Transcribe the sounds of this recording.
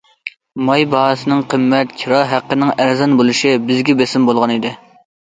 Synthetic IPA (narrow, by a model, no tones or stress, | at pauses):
mɑjbɑɦsɨnɨŋqʰəmːɛt̪kʲʰiɾɑɦæqːənɪŋæɾzɑnbolˠɨʃibɪzɡʲɛbesɪmbolˠʁɑnid̪ɪ